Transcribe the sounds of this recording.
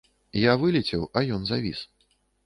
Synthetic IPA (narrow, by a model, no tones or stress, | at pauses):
javɨlʲɛt͡sʲɛwɐjɔnzavʲḭs